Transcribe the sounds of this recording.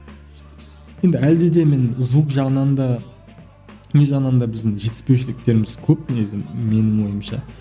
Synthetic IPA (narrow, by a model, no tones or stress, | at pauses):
je̞nd̪ɪæld̪ed̪e̞me̞nzvukʒɑʁənɑnd̪ɑ | ne̞ʒɑʁnɑnd̪ɑbɪzd̪ɪŋʒe̞t̪ɪ̥spe̞wʃɪlɪk̚t̪e̞ɾɪmɪzkʲʰɵp̚neɡzɪme̞nɪŋwo̞jəmʃɑ̰